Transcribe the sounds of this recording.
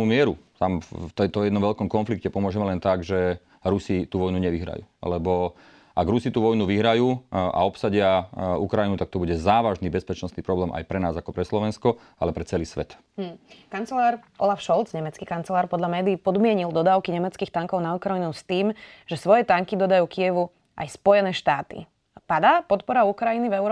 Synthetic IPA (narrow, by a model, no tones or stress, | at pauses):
umɪɛɾut̪amft̪ɛt̪ɔɛd̪ɔmʋɛʎkɔmkɔnflikcɛpɔmʊɔʒɛmɛlɛnt̪aɡʒɛ | ɾusit̪uʋɔjnuɲɛʋiɦɾa̰jṵːlɛbɔ | ʔaɡɾusit̪uʋɔjnuʋiɦɾajuːa̰ɔpsaɟɪaukɾajinut̪ak̚t̪ɔbuɟɛzaːʋaʒnibɛspɛt͡ʃnɔst̪nipɾɔblɛːmʔa̰jpɾɛnaːzakɔpɾɛslɔʋɛnskɔ | alɛpɾɛt͡sɛliːsʋɛt̪̩ː | kant͡sɛlaːɾʔɔlafʃɔlˠd͡zɲɛmɛt͡skikant͡sɛlaːɾpɔd̪ʎamɛːd̪iːpɔd̪mɪɛɲild̪ɔd̪aːʊkiɲɛmɛt͡skiːxt̪aŋkɔʊnaukɾajinust̪iːmʒɛsʋɔjɛt̪aŋkid̪ɔd̪ajuːkijɛʋu | ʔa̰jspɔjɛnɛːʃt̪aːt̪ḭ | pad̪aːpɔt̪pɔɾaukɾajinivɛʊɾɔ